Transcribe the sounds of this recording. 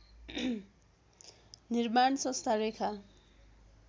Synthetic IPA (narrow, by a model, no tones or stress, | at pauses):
nirmansʌ̃st̪ʰaɾekʰa